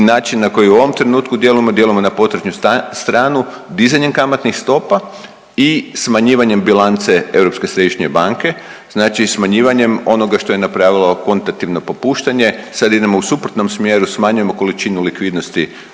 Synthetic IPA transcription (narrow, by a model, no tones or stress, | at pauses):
naːt͡ʃinːako̞jiuo̞ʋo̞mt̪ɾenuːt̪kud̪je̞lujemod̪je̞lujemo̞napo̞t̪ɾed͡ʒɲust̪ɾaːnu | d̪izaɲe̞mkamat̪nixst̪o̞pa | ismaɲiːʋaɲe̞mbilant̪seewɾo̞pske̞sɾe̞d̪iʃɲe̞baŋke̞ | znaːt͡ʃismaɲiːʋaɲe̞mo̞no̞ɡaʃt̪o̞jenapɾaːʋilˠo̞ko̞nt̪at̪iʋno̞po̞puːʃt̪aɲe̞sad̪id̪emousupɾot̪no̞msmjeːɾusmaɲuje̞mo̞ko̞lit͡ʃinulikʋid̪no̞st̪i